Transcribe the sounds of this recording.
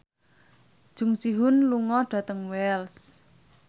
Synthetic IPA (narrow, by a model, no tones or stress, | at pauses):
d̥ʒ̥ʊ̤ŋsiɦʊnluŋɔɖ̥ä̤t̪əŋwɛls